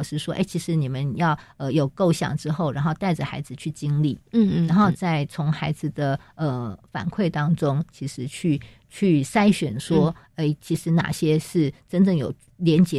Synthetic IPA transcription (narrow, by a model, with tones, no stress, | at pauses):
ʂɻ̩˥˧ʂwɔ˥ʔḛ˥˩t͡ɕʰi˧˥ʂɻ̩˧˥ni˨˩mə˨˦njɑ˥˩ʊə˧jo˨˩ʊko˥˧ʊɕjɑ̰˨˩ŋʈ͡ʂɻ̩˥xo˥˩ʊɻa˧˥nxo˥˧ʊt̪a˥˩ɪʈ͡ʂə˨˩xa˧˥ɪd͡zɹ̩˨t͡ɕʰy˥˩t͡ɕi˥ŋlḭ˥˩˨ɻa˧˥nxo˥˧ʊt͡sa˥˩ɪt͡sʰʊ˧˥ŋxa˧˥ɪd͡zɹ̩˨d̪ə˨ə˩fa̰˨˩nkʰwe˥˩ɪt̪ɑ˥ŋʈ͡ʂʊ˥ŋt͡ɕʰi˧˥ʂɻ̩˧˥t͡ɕʰy˥˧ | t͡ɕʰy˥˩sa˥ɪɕɥɛ˨˩nʂwɔ˥ | e˥˩ɪt͡ɕʰi˧˥ʂɻ̩˧˥na̰˨˩ɕjɛ˥ʂɻ̩˥˩ʈ͡ʂə˥nʈ͡ʂɤ˥˩ŋjo̰˨˩ʊ | ljɛ˧˥nt͡ɕjɛ˧˦